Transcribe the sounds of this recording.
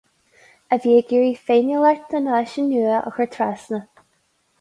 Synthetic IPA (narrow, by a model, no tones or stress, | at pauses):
əviːəɡiɹifeːnjəlɛɹt̪ʰənaːʃənuːə̰xəɹt̪ʰɾasnə